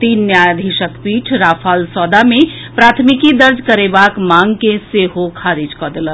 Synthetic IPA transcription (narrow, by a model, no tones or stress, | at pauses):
t̪inːjad̪ʱiʃəkpiʈʰɾapʰalsɔd̪ame | pɾat̪ʰmikid̪əɾd͡ʒkəɾebakmaŋkeseɦokʰaɾid͡ʒkɔd̪elən